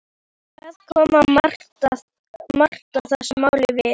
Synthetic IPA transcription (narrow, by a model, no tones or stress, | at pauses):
θaðkʰɔːmḁ | mar̥t̪aθasmaːwlɪvɪ